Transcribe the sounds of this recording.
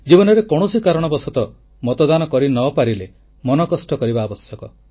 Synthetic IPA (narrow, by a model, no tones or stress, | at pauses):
d͡ʒibɔnɔɾekɔɽ̃usikaɾɔɽ̃ɔbɔsɔt̪ɔ | mɔt̪ɔd̪anɔkɔɾinɔpaɾile | mɔnɔkɔsʈɔkɔɾibaːbɔsjɔkɔ